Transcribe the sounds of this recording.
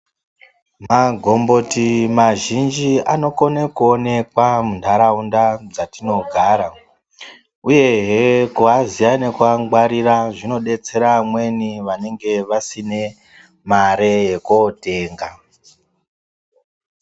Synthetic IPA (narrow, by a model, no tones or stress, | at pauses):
maɡʱo̞mbo̞timaʒind͡ʒiano̞konekuone̞kwamundʱaɾaundad͡zatino̞ɡʱaːɾa | uje̞ɦekuɦazianekuaŋɡwaɾiraʐino̞ɗe̞t͡se̞ɾamwe̞niʋane̞ŋɡe̞ʋasine̞ | maɾe̞jekote̞ːŋɡa